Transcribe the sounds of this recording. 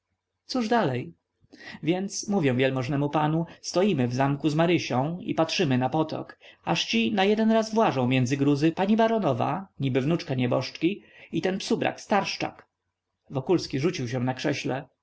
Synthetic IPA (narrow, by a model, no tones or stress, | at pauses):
t̪suʐd̪alɛj | vʲjɛnt̪smuvʲjɛ̃vjɛlmɔʐnɛmupanust̪ɔjimɘvzamkuzmaɾɘɕɔ̃w̃ḭpatʂɘmɘnapɔt̪ɔ̰kaʂt͡ɕinajɛd̪ɛnɾazvwaʐɔ̃w̃mʲjɛnd̪zɘɡɾuzɘpaɲibaɾɔnɔva̰ɲibɘvnut͡ʂkaɲɛbɔʂt͡ʂkʲi | it̪ɛnpsubɾʔa̰kst̪aɾʂt͡ʂa̰k | vɔkulskʲiʐut͡ɕiwɕɛ̃nakʂɛɕlɛ